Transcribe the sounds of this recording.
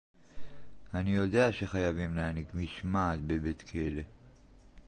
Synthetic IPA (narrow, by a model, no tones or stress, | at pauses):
anijo̞d̪eaʃeχajavimleanikmiʃmatbebet̪kʰele